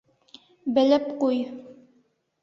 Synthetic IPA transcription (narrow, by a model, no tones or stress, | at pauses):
bɘ̆lɘpquj